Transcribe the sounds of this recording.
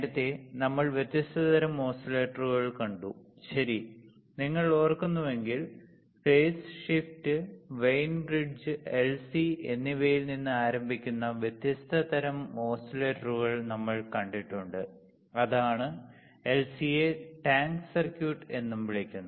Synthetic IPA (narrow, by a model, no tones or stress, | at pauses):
ɾɐt̪ːenɐmːɐɭʋjet̪jɐst̪ʰɐðɐɾɐmːo̞ːsileːʈːɐruɣɐɭkɐɳɖu | ɕɐɾi | niŋːɐɭoːrkunːuʋe̞ŋɡil | feːsʂiftɨʋejnbriɖd͡ʑɨelsie̞nːiʋejilninːɨaːɾɐmbʱikʲːunːɐʋjet̪jɐst̪ʰɐd̪ɐɾɐmoːsileːʈːɐruɣɐɭnɐmːɐɭkɐɳɖiʈːuɳɖɨ | ɐðaːɳɨ | e̞lsijeʈaːŋksɐrkjuːʈːe̞nːumʋiɭikʲːunːɐ